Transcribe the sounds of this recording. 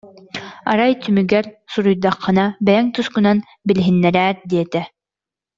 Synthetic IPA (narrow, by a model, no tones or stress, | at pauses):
ɑ̰ɾɑjt̪ʰymyɡæɾsuɾujd̪ɑqʰːɤ̆nɑbæjæŋt̪uskŭnɑn | bɘ̆lɦĭnːæɾæɾd̪ijɛt̪æ